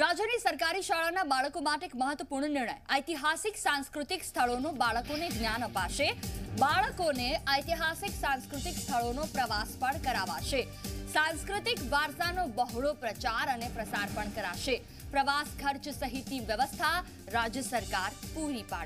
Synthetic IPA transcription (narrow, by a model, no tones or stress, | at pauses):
ɾad͡ʒənisəɾkaɾiʃaɭanabaɭəkomaʈeekməɦət̪ʋəpuɾɳənɪɾɳ̃ə̰jəjt̪iɦasiksãnskɾut̪ikst̪ʰəɭonõbaɭəkoneɡnjanəpaʃebaɭəkoneəjt̪iɦasiksãnskɾut̪ikst̪ʰəɭonopɾəʋaspəɳkəɾaʋaʃe | sãnskɾut̪ikʋaɾt̪anobəɦɭopɾət͡ʃaɾənepɾəsaɾpəɳkəɾa̰ʃe | pɾəʋaskʰəɾt͡ʃsəɦit̪iʋjəʋəst̪ʰa | ɾad͡ʒjəsəɾkaɾpuɾipa̰